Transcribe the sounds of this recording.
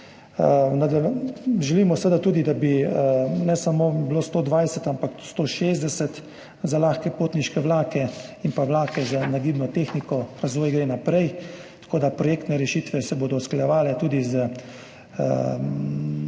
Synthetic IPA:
nad̪ɛʒɛliːmɔsəʋəd̪at̪uːd̪id̪abi | nɛsamoːbiloːst̪oːd̪ʋajsɛt̪ampakst̪oːʃeːzd̪ɛsɛt̪ | zalaːxkɛpoːt̪niʃkɛʋlaːkɛimpaʋlaːkɛzanaɡiːbnɔt̪eːxnikɔɾazʋoːjɡɾenapɾɛjt̪ḁkoːd̪apɾɔjeːkt̪nɛɾɛʃiːt̪ʋɛsɛboːd̪ɔsklajɛʋaːlɛt̪uːd̪izə

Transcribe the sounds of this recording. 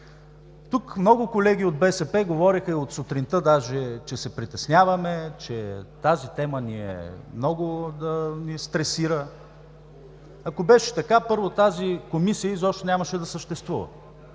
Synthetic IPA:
t̪ukmnɔɡʊkolɛɡ̟ʲiod̪̚bɛsɛpɛɡovɔɾixəiot̪sot̪ɾint̪əd̪aʒɛt͡ʃɛsɛpɾit̪ɛsnʲavɐmɛt͡ʃɛt̪azit̪ɛməniɛ̰mnɔɡʊd̪ɐnist̪ɾɛsiɾə | ɐkobɛʃɛ̥t̪ɐkapɤɾvot̪azikomisijəizɔʃt̪ɛnʲamɐʃɛd̪ɐsəʃt̪ɛst̪vuvɐ̰

